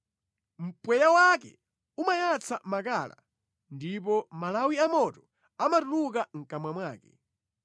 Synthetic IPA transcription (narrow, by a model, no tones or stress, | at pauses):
m̩pwɛjawakɛ̰ | umajat͡sʰamakaːla̰ | ndip̬ɔmalawiamɔtɔ̥ | amatuluk̬aŋ̩kamwamwaːkɛ